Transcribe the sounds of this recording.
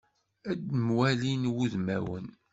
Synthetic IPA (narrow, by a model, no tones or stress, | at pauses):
æd̪mwælinwuðmæwə̰n